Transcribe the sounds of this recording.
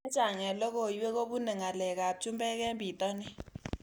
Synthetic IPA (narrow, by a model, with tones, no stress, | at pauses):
ɛ˦t͡ʃʼa˨ŋɛ˨lɔ˦k̬ɔ˨ji˦wɛ˦k̬o˦ɓu˦nɛ˨ŋa˨lɛ˨k̬a˨ɓ̚u˨t͡ʃʼu˦mbʼɛ˦k̬ɛ˦mbʱi˨tʼɔ˦nɛ˦